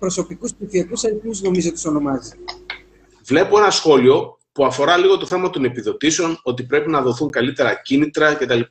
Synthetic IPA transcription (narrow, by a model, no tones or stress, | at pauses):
pɾoso̞pikuspsifiɐkusɐɾθmuzno̞mizot̪u̥so̞no̞mɐzi | vle̞poe̞nɐsxo̞lio̞ | puɐfo̞ɾɐliɣo̞t̪o̞θe̞mɐt̪o̞ne̞piðo̞t̪iseo̞no̞t̪ipɾe̞pinɐðo̞θuŋkɐlit̪e̞ɾɐcinit̪ɾɐce̞t̪ɐlip